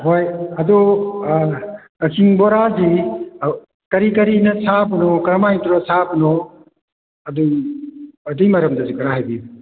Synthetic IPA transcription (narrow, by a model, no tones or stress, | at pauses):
hojɐdɔ | ɐkʰiŋbɔɾazi | kɐɾikɐɾinɐsʰabunɔkɐɾmajŋtuɾɔsʰabɯnɔ | ɐdu | ɐdijmɐɾɐmdɐzikɯɾaɦajbiju